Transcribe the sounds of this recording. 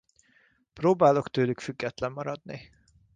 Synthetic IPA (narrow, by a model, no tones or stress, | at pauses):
proːbaːlo̞kt̪øːlykfyɡːɛt̪lɛmːɒɾɒd̪ni